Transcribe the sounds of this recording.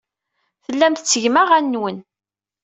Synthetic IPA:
θəlːæmθət͡sːəʝmaʁænːwən

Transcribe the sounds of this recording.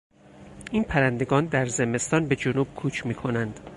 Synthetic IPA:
ʔiːnpʰæɾænd̪e̞ɡɒːnd̪æɾze̞me̞st̪ɒːnbe̞d͡ʒonuːb̥̚kʰuːt͡ʃʰmiːkʰo̞nænd̪̥

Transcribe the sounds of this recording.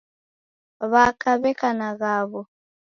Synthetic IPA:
βakaβɛkanaɣaβɔ

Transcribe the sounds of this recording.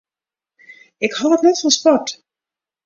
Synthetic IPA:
ɪkhɑtətnɛtfɔnspɔt

